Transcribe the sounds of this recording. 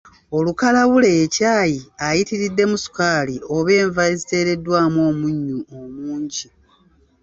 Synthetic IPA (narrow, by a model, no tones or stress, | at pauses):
o̞lukalaβule̞jːcaːjiajitiɾidːe̞musu̥kaːlio̞βe̞ːɱvaezite̞ːɾe̞dwaːmo̞ːmuɲːuomuːɲɟi